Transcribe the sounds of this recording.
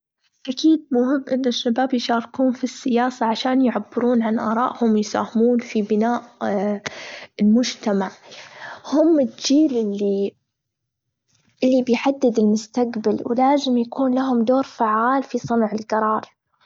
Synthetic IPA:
ʔakiːd̪̚mʊhɪmːʔɪnːʊʃːabaːbjʃɑːɾˤkuːnfisːɪjaːsaʕaʃaːnjʕabːɪɾuːnʕanʔɑːɾˤɑ̰ːʔhʊmjsa̰ːhɪmuːnfibɪnaːʔ | ɪlmʊd͡ʒt̪amaʕ | hʊmːɪld͡ʒiːlʔɪlːi | ʔɪlːibɪjħad̪ːɪd̪ɪlmʊst̪aɡbalwɪ̰laːzɪmjakuːnlaɦʊmd̪oːɾfaʕːaːlfisˤɨnʕɪlɡɑɾˤɑːɾˤ

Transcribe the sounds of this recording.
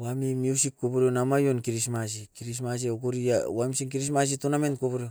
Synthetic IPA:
wamimjusikːopoɾonamajo̞nkiɾismas̬ikiɾis̬mas̬iokoɾiaamsiŋk̬iɾis̬mas̬ituname̞ntkopoɾeo

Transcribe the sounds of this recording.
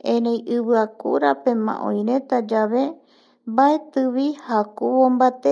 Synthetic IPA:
ẽɾẽj̃ʔɨβɨakṵɾapẽ̞mã̰ʔõ̰j̃ɾẽ̞t̪ad͡ʒaβe̞ | mbaet̪ɨβihakuβõmbat̪e

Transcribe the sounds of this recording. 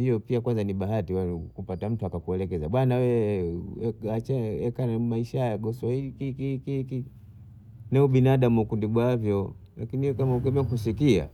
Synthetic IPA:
hijɔpiakwanzaniɓaɦatiwakupatam̩tuakakuɛlɛkɛzaɓwanawɛ | at͡ʃɛɛkanmaiʃajaɡɔsaikikikiki | nɛuɓinaɗamuukundiɡwavjɔlakiniɛkamaukɛbɛŋkusikia̰

